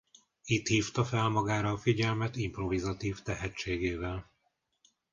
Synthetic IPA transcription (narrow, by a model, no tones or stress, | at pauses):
it̪hiːft̪ɒfɛlmɒɡaːɾɒːfiɟɛlmɛt̪impro̞vizɒt̪iːvt̪ɛɦɛt͡ʃːeːɡeːvɛl